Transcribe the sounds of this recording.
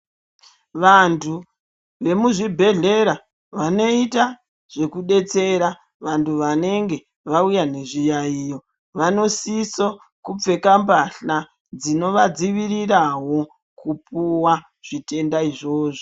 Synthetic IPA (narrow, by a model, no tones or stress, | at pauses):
ʋantʰu | ʋe̞muʐibʱe̞ɮe̞ɾa | ʋano̞ita | ʐ̥e̞kuɗe̞t͡se̞ɾa | ʋantʰuʋane̞ŋɡe̞ | ʋaujane̞ʐijaijo̞ | ʋano̞siso | kup͡fe̞kambaɬa | d͡zino̞ʋad͡ziʋiɾiɾawo̞ | kupuwa | ʐ̥ite̞ndaiʐo̞ːʐo